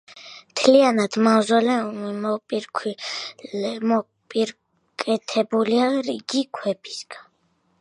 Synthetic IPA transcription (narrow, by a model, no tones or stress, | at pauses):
mt̪ʰlianad̪̥mavzɔlɛumimɔpʼiɾkʰi | mɔ | pʼiɾ | kʼɛt̪ʰɛbuliaɾiɡikʰwɛbi̥sɡ̥an